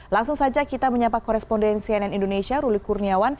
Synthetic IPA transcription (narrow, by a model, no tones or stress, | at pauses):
laŋsʊŋsad͡ʒakit̪aməɲampakɔɾɛspɔndɛnsiɛnɛnindonesiaɾulikurniawan